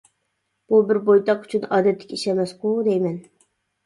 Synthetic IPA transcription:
b̥ubɪɾbojt̪ʰɑqy̥t͡ʃʰynɑːd̪ɛt̪ʰːɪ̥kʲiʃɛmɛsqud̪ɛjmɛn

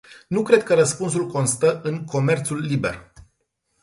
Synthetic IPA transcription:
nukɾe̞d̪̚kəɾəspuns̬ulko̞nst̪əʔɨŋkʰo̞me̞rt̪sulːibe̞̰r

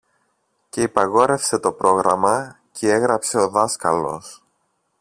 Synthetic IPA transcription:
ce̞ipɐɣo̞ɾe̞fse̞t̪o̞pɾʔo̞ɣɾɐmɐ | cʰee̞ɣɾɐpse̞o̞ðɐskɐ̰lo̞̰s

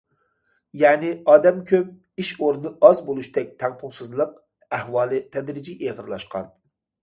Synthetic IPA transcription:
jɛːnɪɑːd̪ɛmkʲʰøp̚ | iʃoɾnɨʔɑzbolˠuʃt̪ʰɛk̚ʲt̪ʰɛŋpʰʊŋsɨzlˠəq̚ | æhwɑːlˠɨt̪ʰɛd̪ɾɪd͡ʒiʔeʁəɾlˠɑʃqɑ̰n

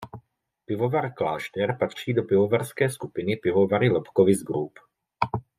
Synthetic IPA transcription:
pɪvovaɾklaːʃt̪ɛɾpat̪r̝̥iːdopɪvovaɾskɛːskupɪnɪpɪvovaɾɪlɛpkovɪzɡɾup

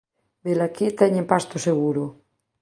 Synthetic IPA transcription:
d̪elakit̪ɛɲempast̪oseɣuɾo

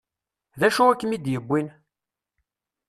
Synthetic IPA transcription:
ðæʃuækːəmid̪jəbʷːin

